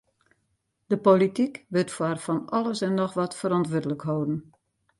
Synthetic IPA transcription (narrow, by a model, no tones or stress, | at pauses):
d̥əpolitikʋøtfwarfɔnɔlˠəsɛnːɔxʋɔtfəɾɔntʋødələkɦowdn̩